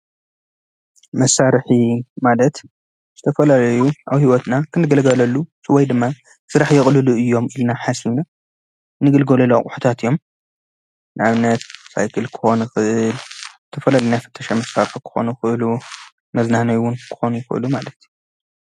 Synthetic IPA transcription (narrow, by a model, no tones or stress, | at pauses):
mɐsːaɾħimalɐt̪ | z̥ɨt̪ʰɐfɐlalɐjuʔawhiwɔt̪nakʰɨnːɨɡɐlɡɐlɐlːusɨwɔjd̪ɨmːa | sɨɾaħjɪχʼlɨluʔɨjːo̞milnaħasina | nɨɡɨlɡolɐloχʼuħu̥t̪ʰat̪ʰɨjːo̞m | nɨʔaβɨnːɐt̪sa̰jkʰɨlkʰɨ̥xo̞nxɨʔɨlzɨt̪ʰɐfɐlalɐjnjafɨ̥t̪ʰːɐʃamɐsːaɾħkʰɨ̥xo̞̰nuxɨʔɨlu | mɐznanɐjwʊnkʰɨ̥xo̞nujɪxɨ̰ʔɨ̰lumalɐt̪u